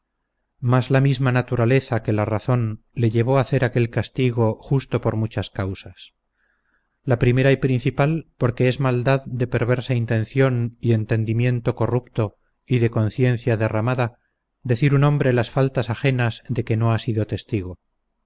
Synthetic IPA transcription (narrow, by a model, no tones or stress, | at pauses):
mazlamizmanat̪uɾale̞θake̞laraθo̞n | le̞ʝe̞β̞oaθe̞ɾake̞lkast̪iɣ̞o̞xust̪o̞po̞ɾmut͡ʃaskawsas | lapɾime̞ɾajpɾin̟θipalpo̞ɾke̞ezmald̪aðd̪e̞pe̞ɾβe̞ɾsaint̪ẽ̞nθjo̞nie̞nt̪e̞nd̪imjẽ̞nt̪o̞ko̞rupt̪o̞ | iðe̞ko̞n̟θje̞nθjaðe̞ramaða | d̪e̞θiɾunõ̞mbɾe̞lasfalt̪asaxe̞nazðe̞ke̞no̞asiðo̞t̪e̞st̪iɣ̞o̞